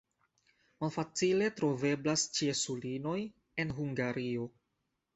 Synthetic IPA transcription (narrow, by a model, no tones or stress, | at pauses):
malfat͡sile̞tɾo̞ve̞blast͡ʃiesulino̞j | e̞nɦuŋɡaɾio̞